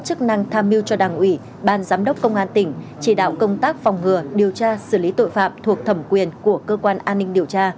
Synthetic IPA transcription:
t̚t͡ɕɨ˦˥k̚na˧ŋt̪ʰaː˧mi˧wt͡ɕɔ˧ɗaː˨˩ŋʔwi˧˩ | ɓaː˧nzaː˨˦mɗə˦˥wk͡p̚kə˧wŋ͡mʔaː˧nt̪ï˧˩ŋ̟ | t͡ɕi˧˩ɗa̰ː˧˨wkə˧wŋ͡mt̪aː˦˥k̚fa˨˩wŋ͡mŋɨ˨˩əɗi˨˩əwt͡ɕaː˧sɨ˧˩li˨˦t̪o̰˧˨jfa̰ː˧˨mt̪ʰu˨˩ək̚t̪ʰə˧˩mkwi˨˩ənku˧˩əkəː˧kwaː˧nʔaː˧nːï˧ŋ̟ɗi˨˩əwt͡ɕaː˧

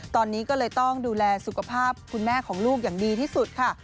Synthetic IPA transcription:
t̪ɔː˧nːiː˦˥kɔː˥˩lɤː˧jt̪ɔ˥˩ŋduː˧lɛː˧su˨˩kʰa˧pʰaː˥˩p̚kʰu˧nmɛː˥˩kʰɔː˩˦ŋluː˥˩k̚jaː˨˩ŋdiː˧t̪ʰiː˥˩su˨˩t̪̚kʰa˥˩

